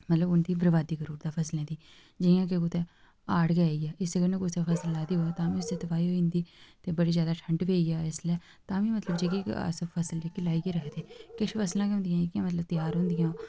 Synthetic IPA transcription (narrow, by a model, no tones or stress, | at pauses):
mət̪ləbʊnd̪iːbəɾʋaːd̪iːkəɾuːɾd̪aːpʰəslẽːd̪iː | d͡ʒɪjãːk̬ekʊt̪eː | aːɽɡaːijaːʔɪsəɡəɾnekoseːfʰəsəlːaːd̪iːoaːt̪ãːmĩʊsd̪eːt̪əʋaːiːɦoːĩnd̪iːt̪eːbəɽiːzjaːd̪aːʈʰə̃ɳɖʋeːiːjaːɪslɛː | t̪ãːmĩːmət̪ləbd͡ʒeːkekə̰səpʰəsəld͡ʒeːkɪlaːikeːɾəkʰd̪eːkɪʃpʰəslãːkeʊ̃nd̪ɪjãːɪkɪãːmət̪ləb̚t̪əjaːɾɦʊ̃ːnd̪ɪjãː